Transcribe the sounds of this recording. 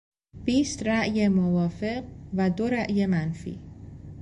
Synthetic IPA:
b̥iːst̪ɾæʔjemovɒːfe̞ɢvæd̪oɾæʔjemænfḭː

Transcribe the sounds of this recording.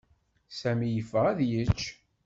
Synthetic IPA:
sæmijəfəʁæðjət͡ʃː

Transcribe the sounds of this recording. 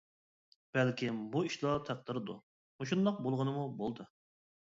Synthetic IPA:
b̥ælkʲimbuiʃlˠɑt̪ʰæq̚d̪ɨɾɨd̪ṵ | moʃ̬und̪ɑq̚bolˠʁənɨmubolˠd̪ɨ

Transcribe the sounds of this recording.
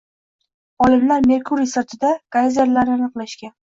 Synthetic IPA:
ɒlɪmlaɾme̞ɾkʰuɾisaɾt̪ʰɪd̪akʰajzeɾlaɾnɪanɨqlˠaʃkʲan

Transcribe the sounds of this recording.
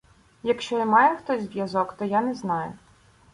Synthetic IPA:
jɐkʃt͡ʃɔmɑjɛxt̪ɔsʲzʋjɐzɔkt̪ɔjanɛznɑjʊ̰

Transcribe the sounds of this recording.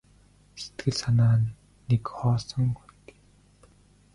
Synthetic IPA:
se̥t̪ɡɘ̆ɮsanaː | nekχɔːsɞ̆ŋɡujt̪e̥

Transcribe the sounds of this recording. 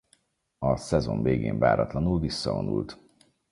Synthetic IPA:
ɒsɛzo̞ɱveːɡeːɱva̰ːɾɒt̪lɒnulvisːɒvonṵlt̪

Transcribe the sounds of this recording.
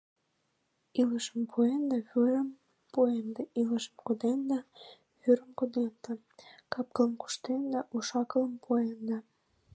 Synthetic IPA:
iləʃəmpʰuend̪ɑβyɾəm | puend̪əʔiləʃəmkod̪end̪ɑ | βyɾəmkod̪end̪ə | kɑp̚kələmku̥ʃt̪end̪ɑʔuʃɑkələmpʰoend̪ɑ

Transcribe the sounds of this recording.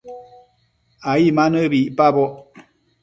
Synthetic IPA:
ajimanəbiʔpabɔ

